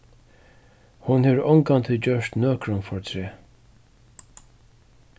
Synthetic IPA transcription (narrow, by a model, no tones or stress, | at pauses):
hʊnhɛɾɔŋkant̪ʰɪld͡ʒœʂt̪nœːkɾʊmfɔɹt̪ʰɾeː